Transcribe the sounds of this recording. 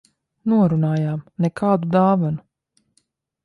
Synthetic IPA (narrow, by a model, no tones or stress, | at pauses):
nuɔɾunaːjaːmnɛkʰaːd̪ud̪aːvanu